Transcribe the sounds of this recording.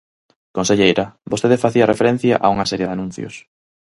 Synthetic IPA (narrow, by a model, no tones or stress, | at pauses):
konseʎejɾɐbost̪eðefaθiɐrefeɾɛn̟θjɐ̰ʔauŋɐsɛɾjeðanũn̟θjo̰s